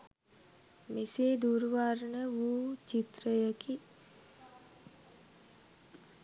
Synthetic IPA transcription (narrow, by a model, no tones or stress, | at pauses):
mised̪uːɾʋaɾɳəʋuːt͡ʃit̪ɾəjəki